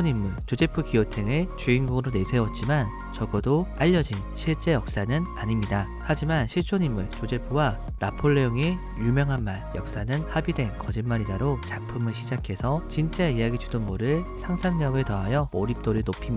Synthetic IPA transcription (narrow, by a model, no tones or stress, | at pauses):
oɲimːuɭt͡ɕod͡ʑe̞pʰɯkiotʰe̞ŋet͡ɕuinɡuɡɯɾone̞sʰe̞wʌt̚t͡ɕ͈iman | t͡ɕʌɡʌdoaʎːʌd͡ʑinɕʰiɭt͡ɕ͈e̞jʌk̚s͈anɯnaɲimɲida | had͡ʑimanɕʰiɭt͡ɕʰoɲimːɯɭt͡ɕod͡ʑe̞pʰɯwa | napʰoɭːejoŋe̞ | jumjʌŋɦanmaɭjʌk̚s͈anɯnhabidwe̞nkʌd͡ʑinmːaɾidaɾot͡ɕapʰɯmɯɭɕʰid͡ʑakʰe̞sʰʌt͡ɕint͡ɕ͈aeijaɡid͡ʑʰudʌnɡʌɾɯɭsʰaŋsʰaŋɲʌɡɯɭtʌajʌoɾip̚t͈oɾɯɭnopʰim